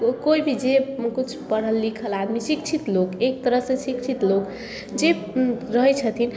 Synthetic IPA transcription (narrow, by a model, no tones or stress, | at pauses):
koibʱid͡ʒekut͡ʃʰpəɽəlːikʰəlad̪misikt͡ʃʰit̪lokek̚t̪əɾəɦsẽsikt͡ʃʰit̪lok | d͡ʒe | ɾəɦət͡ʃʰət̪ʰin